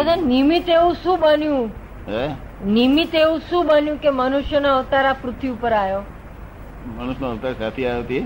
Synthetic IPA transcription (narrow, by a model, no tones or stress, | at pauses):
əd̪animit̪eʋũʃũbənjũ | ɦe | nimit̪eʋũʃũːbənjũkemənuʃjənaəʋt̪aɾapɾʊt̪ʰʋiupəɾajo | mənuʃnaəʋt̪aɾsat̪ʰiajt̪ie